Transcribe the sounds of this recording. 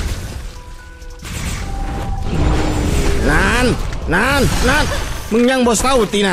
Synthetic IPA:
nannannanmɨŋɲaŋbɔst̪aut̪ina

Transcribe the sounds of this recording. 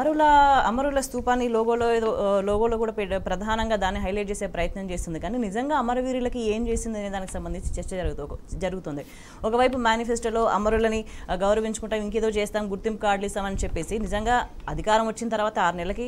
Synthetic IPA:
ɐɾulɐɐmɐɾulɐst̪uːpaːnːilɔːɡoːloed̪oːlɔːɡoːloːk̬uːɽaːpɾɐd̪ʱaːnɐŋɡaːd̪aːnːiɦɐjleʈ̚t͡ʃeːse̞ːpɾɐjɐt̪nɐmt͡ʃeːst̪und̪ikaːninizɐŋɡaːɐmɐɾɐʋiːɾilɐkieːmt͡ʃe̞ːsind̪iɐniːd̪aːniki̥sɐmbɐnd̪ʱiɲt͡ʃi̥t͡ʃɛɾt͡ʃːɐd͡ʒɐɾɡut̪ud͡ʒɐɾuɡut̪ond̪i | ɔkɐʋɐjpumaːnifʰesʈɐlo̞ːʔɐmɐɾulɐniɡɐwɾɐʋiɲt͡ʃu̥kuɳʈaːmiŋk̬eːd̪o̞ːt͡ʃɛːst̪aːmɡuɾt̪impukaːɖlist̪aːmɐnit͡ʃɛpːe̞ːsinizɐŋɡaːɐd̪ʱikaːɾɐmʋɐt͡ʃːinɐt̪ɐɾuʋaːt̪ɐaːɾnɛlɐki

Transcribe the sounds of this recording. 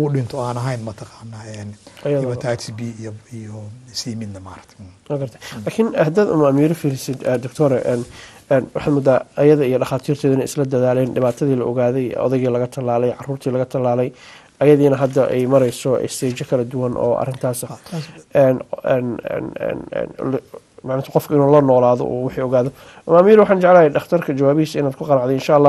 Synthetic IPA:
ɣʊɖɪnt̪ʰɔaːnɐɦɐjnmɐt̪ʰɐqɑːnːaɛnʔɐjɐðɔːɐtʰaːkbiijɔsiːmɪd̪nɐmaːɾɐk̚t̪ʰwaːɡɐrt̪ʰɐjlaːkʰɪnhɐd̪aːd̪ʊ̰mɐɐmiːɾɔfiːlɪsɪd̪d̪ɔɡt̪ʰɔɾɛʔɛːn | ɛnwɑħɑːd̪mɔːd̪aːɐjɐðɐijɔɖɑχaːt̪ʰiːrt̪ʰɛːðʊɪnɐɛɪslɐd̪ɐðaːlɛːnɖɪβaːt̪ʰɐðiːlɐʔɔɣaːðɛjɔ̰ðɛjɣiːlɐɣɐt̪ʰɐlaːlɛjʕɑruːrt̪ʰiːlɐɣɐt̪ʰɐlaːlɛj | ʔɐjɐðiːnɐɦɐd̪ɐʔɛ̰jmɐɾɛjsɔʔɛ̰st̪ʰɛːt͡ʃɐkʰɐlɐd̪ʊwɐnʔɔ̰ːʔɐ̰rɪnt̪ʰaːsɐɛnɛnɛ̰n̰ːn̰ːl | maʕnɪnt̪ʰɐqɔfkʰɐɪnuːlɐnɔːlaːðɔ̰ʔṵwɪħiːɔɣaːðɔ | ʔʊmɐmiːɾwɑħaːnt͡ʃɛʕlaːjɛɖɑχt̪ʰɐrkʰɐt͡ʃɐwaːβɪhiːsɐɪnaːd̪̚kʰʊqɑnɑʕd̪ɛɪnʃaːlːaː

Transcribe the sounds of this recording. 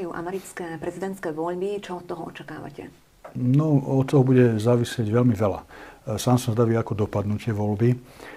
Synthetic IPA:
juːʔa̰mɛɾit͡skɛːpɾɛzid̪ɛnt̪skɛːʋɔʎbit͡ʃɔɔt̪t̪ːɔɦɔɔ̰t͡ʃakaːʋa̰cɛ̰ | nɔɔt̪̚t̪ːɔɦɔbuɟɛzaːʋisɪɛɟʋɛlmiʋɛla̰saːmsɔzd̪aʋiːakɔd̪ɔpad̪nucɪɛʋɔlbi

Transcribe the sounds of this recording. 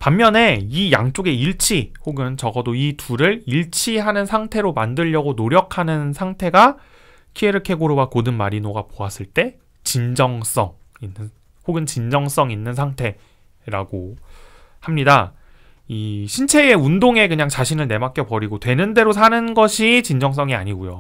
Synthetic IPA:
pamːjʌne̞ijaŋt͡ɕ͈oɡe̞iɭt͡ɕʰihoɡɯnt͡ɕʌɡʌdoituɾɯɭiɭt͡ɕʰiɦanɯnsʰaŋtʰe̞ɾomandɯʎːʌɡonoɾjʌkʰanɯnsʰaŋtʰe̞ɡa | kʰieɾɯɭkʰe̞ɡoɾobakodɯnmaɾinoɡapoas͈ɯɭt͈e̞ | t͡ɕind͡ʑʌŋs͈ʌŋinːɯn | hoɡɯnt͡ɕind͡ʑʌŋs͈ʌŋinːɯnsʰaŋtʰe̞ | ɾaɡo | hamɲida | iɕʰint͡ɕʰe̞eundoŋe̞kɯɲaŋt͡ɕaɕʰinɯɭne̞mak͈jʌpʌɾiɡotwe̞nɯnde̞ɾosʰanɯnɡʌɕʰit͡ɕind͡ʑʌŋs̬͈ʌŋia̰ɲiɡojo̰

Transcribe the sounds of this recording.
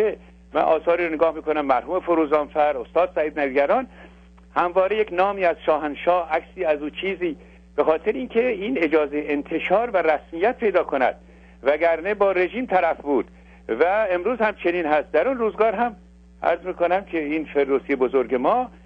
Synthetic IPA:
e | mæ̰nʔɒ̰ːsɒːɾiːɾoneɡɒːhmiːkʰonæmːæɾhuːme̞foɾuːzɒːmfæɾost̪ɒːd̪̥sæiːd̪næviɡæɾɒːn | hæmvɒːɾejeknɒːmiːæz̥ʃɒːɦænʃɒːhækʲsiːæzuːt͡ʃʰiːziː | b̥exɒːt̪ʰeɾeiːnkʰe̞iːne̞d͡ʒɒːze̞jeent̪ʰe̞ʃɒːɾvæɾæsmiːjːæt̪̚pʰe̞jd̪ɒːkʰonæ̰d̪̥̚ | væɡæɾnebɒːɾe̞ʒiːmt̪ʰæɾæfbuːd̪̥ | væe̞mɾuːzhæmt͡ʃʰe̞niːnhæst̪̚d̪æɾunruːzɡɒːɾɦæm | ʔæ̰ɾzmiːkonæmkʰeiːnfe̞ɾd̪oːsiːebozoɾɡe̞mɒː

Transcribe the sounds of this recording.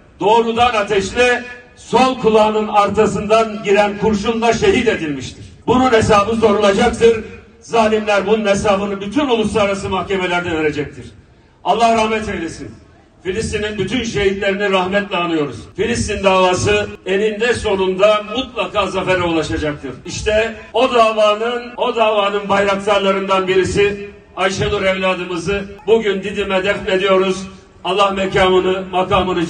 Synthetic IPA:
d̪o̞ːɾud̪anat̪ʰɛʃlʲɛ | so̞lˠkʰulˠaːnɯnaɾt̪ʰasɯnd̪anɟiɾænkʰuɾʃunlˠaʃe̞ɦid̪e̞d̪ilʲmiʃt̪ʰiɾ̥bununesaːbɯso̞ɾulˠad͡ʒakt̪ʰɯɾ | zaːlʲimlʲæɾbununesaːbɯnɯbyt̪ʰynulˠuslaaɾasɯmahceme̞lʲæɾd̪ɛve̞ɾe̞d͡ʒɛc̚t̪ʰiɾ̥ | alˠːahɾahmɛt̪ʰelʲesin | filʲist̪ininbyt̪ʰynʃe̞ɦit̪lʲe̞ɾiniɾahmɛt̪lʲɛanːɯjo̞ɾṵz̥filʲist̪ind̪aːvaːsɯe̞nind̪ɛso̞nund̪amut̪lˠakaːzafɛɾɛulˠaʃad͡ʒak̚t̪ʰɯɾ̥iʃt̪ʰɛo̞d̪aːvaːnɯno̞d̪aːvaːnɯnbajɾak̚t̪ʰaɾlˠaɾɯnd̪anbiɾisi | ajʃalˠuɾɛvlʲaːd̪ɯmɯzɯbuɟynd̪id̪imɛd̪ɛflʲe̞d̪ijo̞ɾuz | alˠːahmɛcaːmɯnɯmakaːmɯnɯ

